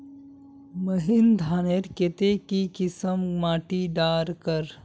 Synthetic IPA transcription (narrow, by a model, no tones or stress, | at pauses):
məɦind̪ʱaːneɾket̪ekikɪsəmmaːʈiɖaːɾkəɾ